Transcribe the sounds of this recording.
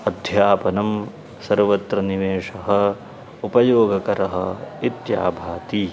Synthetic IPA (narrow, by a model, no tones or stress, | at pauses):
ɐd̪ʱjaːpɐnɐm | sɐɾʋɐt̪ɾɐniʋeːʂɐɦɐ̆ | upɐjoːɡɐkɐɾɐɦɐ̰it̪ja̰ːbʱaːt̪i